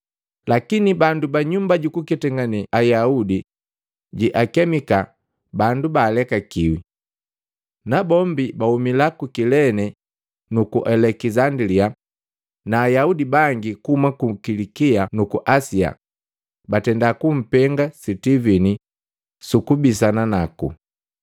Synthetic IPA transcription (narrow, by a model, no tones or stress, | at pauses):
lakinibandubaɲumbaɟukukɛtɛŋɡanɛajaudi | ɟiʔakɛmika | bandubaːlɛkakiwḭ | nabɔmbibahumilakukilɛnɛ | nukuʔɛlɛkizandɾia | naːjaudibaŋɡikuumakukilikianukuʔasia̰ | batɛndakum̩pɛŋɡasitivini | sukubis̬ananakṵ